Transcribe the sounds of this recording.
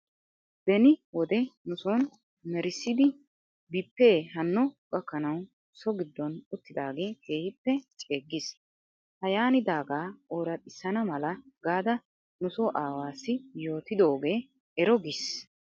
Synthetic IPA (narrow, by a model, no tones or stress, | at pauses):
d̪̥ɛnɪwɔd̪ɛnʊsoːn | mɛɾɪsːɪd̪ɪ | bɪpːeːɦɐnːɔɡʼɐkːɐnɐw | sɔɡɪd̪ːɔnʊt̪ːɪd̪aːɡeːke̞ːhɪpːɛt͡ʃʼeːɡːɪs | hɐjaːnɪd̪aːɡaːoːɾɐt̪ʼːɪsːɐnɐmɐlɐɡaːd̪ɐ | nʊsɔʔaːwaːsːɪjo̞ːt̪ɪd̪o̞ːɡe̞ː | ɛɾɔɡis